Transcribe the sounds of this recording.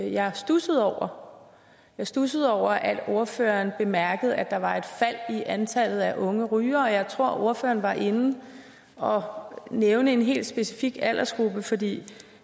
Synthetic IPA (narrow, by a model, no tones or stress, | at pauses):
jɑ̈ɪsd̥usəð̩ˠɒʊ̰ɐ | jɑ̈ɪsd̥usəð̩ˠɒʊ̰ɐʔæd̥o̝ɐfø̰ɐnb̥e̝mæɐɡ̥əð̞̩ˠæd̥ɑ̈ʋɑ̈e̝d̥fæl̰iʔænt͡sʰæl̰ð̞̩ˠæʔɔ̽ŋəʁyːɐɒ̽jɑ̈ɪt͡sʰʁo̝ɐ̰ʔo̝ɐføːɐːn̩ʋɑ̈ʔe̝nn̩ | ɒ̽neʊnəe̝nɦe̝̰ːld̥sb̥e̝sifiɡ̥ælʔɐsɡ̥ʁub̥əfɒ̽d̥ḭː